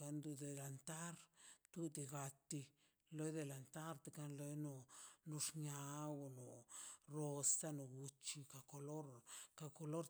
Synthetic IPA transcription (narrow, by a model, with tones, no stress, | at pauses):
a˧nd̪u˨d̪e˨la˨nt̪a˦ɾt̪u˦d̪i˧ɡa˧t̪i˧ | lo˦jd̪e˨la˨nt̪a˦ɾt̪e˨ka˧nlo˧jno˧no˧ʂɲa˧wo˧no˨ɾo˧st̪a˦no˧ɡu˧t͡ʃi˧ka˨ko˧lo˦ɾka˧ko˧lo˦ɾ